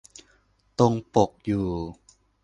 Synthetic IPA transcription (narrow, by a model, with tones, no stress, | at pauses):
t̪o˧ŋpo˨˩k̚juː˨˩